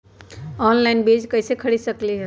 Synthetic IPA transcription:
ɔnlaɪnbed͡ʒkəɪsekʰəɽisəkliɦ

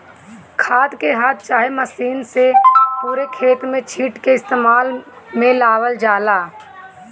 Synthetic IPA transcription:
kʰaːd̪keɦaːt̪̚t͡ʃaːɦeməsiːnsepuːɾekʰeːt̪mẽt͡ʃʰiːʈkeɪst̪eːmaːl | mẽlaːwəld͡ʒaːlaː

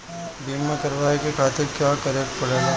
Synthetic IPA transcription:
biːməkɐɾʋaːikekʰaːt̪ɪɾkjakɐɾekpɐɽeɡa

